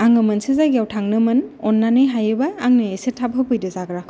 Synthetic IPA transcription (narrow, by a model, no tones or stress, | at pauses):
aŋɯmɯnsezaɡijawtʰaŋnɯmɯnɔnːanɯjɦajɯbaaŋnɯesetʰab̚ɦɯpɯjdɯzaɡɾa